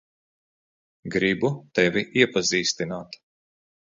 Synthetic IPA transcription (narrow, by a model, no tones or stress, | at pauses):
ɡɾibut̪ɛvʲiʔiɛpaziːst̪inaːt̪